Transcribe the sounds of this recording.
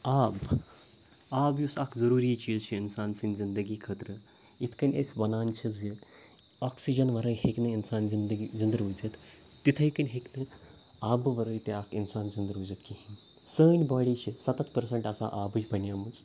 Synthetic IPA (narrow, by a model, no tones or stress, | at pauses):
aːb | aːbjusaːkzɐɾuːɾiːt͡ʃiːzt͡ʃʰiinsaːnsinzind̪əɡiːkʰəːt̪ɾə | it̪ʰkɐnʲḛsʲbɐnaːnt͡ʃʰizji | aːksid͡ʒɐnʋɐɾɐɦeknɨinsaːnzind̪əɡizind̪ɾuzet̪ː | it̪ʰəikɐnʲɦeknɨ | aːbʋɐɾət̪eakinsaːnzind̪ɾuːzet̪kii | səːnʲbaːɽit͡ʃʰisɐt̪ɐt̪pɐɾseɳʈɐsa̰ʔaːbɨt͡ʃʲbɐnjaːmut͡s